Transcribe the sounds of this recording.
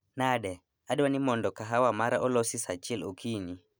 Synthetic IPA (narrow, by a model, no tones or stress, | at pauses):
naɗɛ | aɗwanimɔndɔkaɦawamaɾaʔɔlɔsisat͡ʃilokʰini